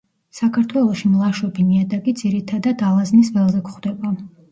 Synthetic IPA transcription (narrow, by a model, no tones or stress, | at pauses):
sakʰaɾt̪ʰwɛlˠɔʃimlˠaʃɔbiniad̪aɡid̪z̥iɾit̪ʰad̪ad̪alˠaznisvɛlˠzɛkχwd̪ɛba